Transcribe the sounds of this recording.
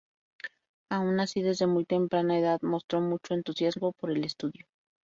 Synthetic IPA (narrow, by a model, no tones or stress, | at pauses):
aunasiðe̞zðe̞mujt̪e̞mpɾanae̞ðaðmo̞st̪ɾo̞mut͡ʃo̞e̞nt̪usjazmo̞po̞ɾe̞le̞st̪uðjo̞